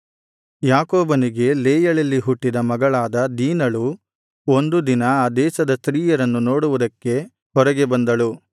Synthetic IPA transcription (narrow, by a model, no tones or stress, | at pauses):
jaːkoːbɐniɡe̞leːjɐɭɐlːiɦuʈːid̪ɐmɐɡɐɭaːd̪ɐd̪iːnɐɭu | o̞nd̪ud̪inɐaːd̪ɛːsɐd̪ɐst̪ɾiːjɐɾɐnːunoːɽuʋud̪ɐkːe̞ | hɔɾɐɡe̞bɐnd̪ɐɭu